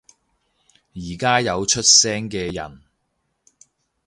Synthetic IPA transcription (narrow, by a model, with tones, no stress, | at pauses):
jiː˨˩kaː˥jɐ˨˧wt͡ʃʰɵ˥t̚sɛː˥ŋkɛː˧jɐ̰˨˩n